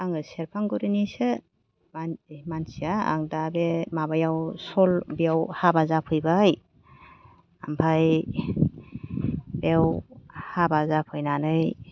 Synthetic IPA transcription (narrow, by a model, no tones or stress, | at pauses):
aŋɯseɾpʰaŋɡuɾinisɯ | amansijaa̰ŋdabemabajawsɔlbjawhabazapʰɯjbaj | ampʰaj | bewhabazapʰɯjnanɯj